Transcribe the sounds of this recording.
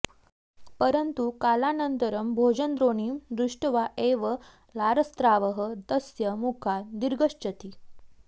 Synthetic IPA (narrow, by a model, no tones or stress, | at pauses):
pəɾənt̪ukalanənt̪əɾəmbʱod͡ʑənd̪ɾoɳimd̪ɾuʂʈəʋaʔeʋə | laɾəst̪ɾaʋəɦət̪əsjəmukʰad̪iɾɡəɕt͡ɕət̪i